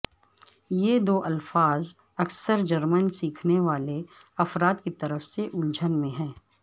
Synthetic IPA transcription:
jed̪oːʔɐlfaːz | ɐksəɾd͡ʒɐɾmənsiːkʰneʋaːle | ɐfɾaːt̪kit̪ɐɾəfseʔʊld͡ʒʱənmẽɦɛ̃ː

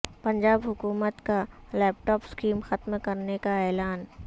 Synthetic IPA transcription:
pɐ̃ɲd͡ʒaːbɦʊkuːmət̪kalɛːp̚ʈɔːpskiːmxɐt̪mkɐɾnekaɛːlaːn

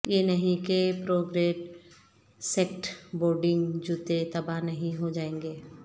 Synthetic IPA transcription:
jenɐɦĩkepɾoːɡɾeːʈ | seːkʈboːɾɖɪ̃ŋɡd͡ʒut̪et̪ɐbanɐɦĩɦod͡ʒaːẽːŋɡeː

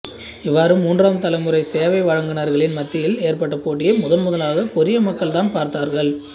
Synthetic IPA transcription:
ɪʋːaːɾɯmuːndraːmt̪ɐlɐɪmɯrɐɪseːʋɐɪʋɐɻɐŋɡɪnɐɾɣɐɭɪnmɐt̪ːɪjɪleːɾpɐʈːɐpoːʈ̬ːɪjɐmʊðɐnmʊðɐlaːɣɐkʊɾɪjɐmɐkːɐɭt̪aːnpaːɾt̪aːɾɣɐɭ

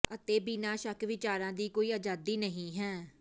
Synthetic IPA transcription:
ət̪eːbiːnaːʃəkʋɪt͡ʃaːɾãːd̪iːkoːiːəːd͡ʒaːd̪iːnəɦĩːɦɛː

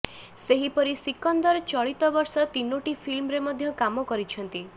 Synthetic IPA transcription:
seɦipɔɾisikɔnd̪ɔɾt͡ʃɔɭit̪ɔbɔɾsɔt̪inoʈipʰilmɾemɔd̪ʱjɔkamɔkɔɾit͡ʃʰɔnt̪i

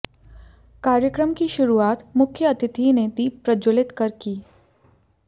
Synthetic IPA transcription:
kaːɾjəkɾəmkiʃʊɾuaːt̪mʊkʰjəɐt̪ɪt̪ined̪iːpɾɐd͡ʒolɪt̪kɐɾkiː

